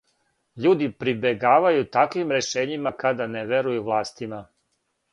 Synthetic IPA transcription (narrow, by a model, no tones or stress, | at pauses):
ʎuːd̪ipɾibe̞ɡaːʋajut̪akʋimɾe̞ʃe̞ːɲimakad̪aneʋeɾujuʋlˠaːst̪ima